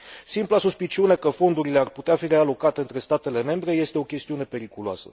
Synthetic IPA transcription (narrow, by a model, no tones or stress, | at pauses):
simplasuspit͡ʃiune̞kəfo̞nd̪uɾile̞arput̪eafiɾe̞alo̞kat̪e̞ɨnt̪ɾe̞st̪at̪e̞le̞me̞mbɾe̞je̞st̪e̞o̞kʲe̞st̪iune̞pe̞ɾikuloa̰sə̰